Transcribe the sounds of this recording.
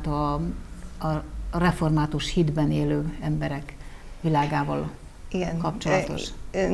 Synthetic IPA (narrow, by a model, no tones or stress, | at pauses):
t̪ɒ | rɛfo̞rmaːt̪uʃhid̪bɛneːløːɛmbɛɾɛk | ʋilaːɡaːvɒːl | iɡɛnkɒpt͡ʃolɒt̪o̞̰ʃ